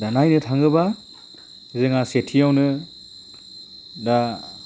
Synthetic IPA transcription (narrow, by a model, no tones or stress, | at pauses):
danajnɯtʰaŋɡɯba | zɯŋasetʰijawnɯ | da